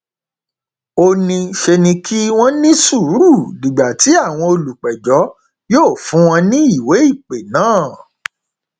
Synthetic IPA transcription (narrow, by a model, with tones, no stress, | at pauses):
o˧nĩ˧ʃe˧nĩ˧kʰi˦w̃ɔ̃˦nĩ˦su˦˨˦ɾu˦˨dĩ˨ɡ͡ba˨ti˨˦a˦˨w̃ɔ̃˧o˧lu˨k͡pɛ˨d͡ʒɔ˨˦ | joː˦˨fũ˨˦w̃ɔ̃˧nĩ˦i˦˨we˨˦i˦˨k͡pe˨nãː˦˨